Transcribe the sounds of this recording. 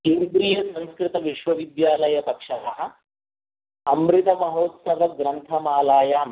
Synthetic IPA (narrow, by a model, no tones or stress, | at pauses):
keːnd̪ɾiːjɐsɐ̃ñskɾit̪ɐʋiʂʋɐʋid̪jaːlɐjɐpɐkʂaa | ɐmɾit̪ɐmɐɦoːt̪sɐʋɐɡɾɐnt̪ʰɐmaːlaːjaːm